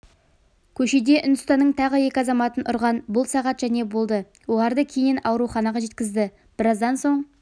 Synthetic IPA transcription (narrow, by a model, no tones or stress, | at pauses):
kʲʰɵʃe̞d̪e̞ʔʊnd̪əst̪ɑnːəɴt̪ʰɑʁəe̞kʲɪɑzɑmɑt̪ənʔʊ̰ɾʁɑnbʊlˠsɑʁɑt̪ʒ̥æne̞bo̞lˠd̪ə | wo̞lˠɑɾd̪əkʲʰe̞jɪnɑwɾuχɑnɑʁɑʒe̞t̪kʲɪzd̪ɪ | b̥ɪɾɑzd̪ɑnso̞ɴ